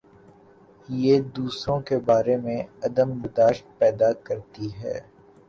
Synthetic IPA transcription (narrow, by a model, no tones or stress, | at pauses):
jeːd̪uːsɾõkebaːɾemẽɐd̪əmbɪd̪aːʃt̪̚pɛːd̪akɐɾt̪iɦɛ̰ː